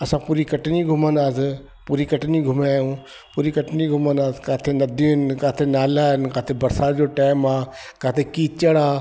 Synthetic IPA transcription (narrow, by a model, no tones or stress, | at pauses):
ɐsãpuːɾikɐʈniɡʱʊmə̃nd̪aːsɪ | puːɾikɐʈniɡʱʊmːjũː | puːɾikɐʈniɡʱʊmə̃nd̪aːsɪ̥kaːt̪ʰenɐd̪ʱinɪkaːt̪ʰenaːlaɦɪnɪkaːt̪ʰebɐɾsaːt̪d͡ʑoːʈaːɪmaː | kaːt̪ʰekiːt͡ʃəɽaː